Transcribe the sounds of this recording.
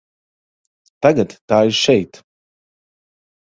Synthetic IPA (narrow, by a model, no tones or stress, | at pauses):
t̪aɡat̪ːaːiɾʃɛjt̪